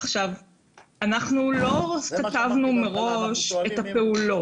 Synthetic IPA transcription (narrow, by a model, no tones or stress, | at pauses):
aχʃav | anaχnulo̞kat̪avnume̞ʁo̞ʃet̪ape̞ulo̞